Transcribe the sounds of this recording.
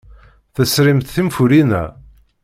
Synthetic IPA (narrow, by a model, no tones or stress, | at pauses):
θæsɾimθθimfuɾinæ̰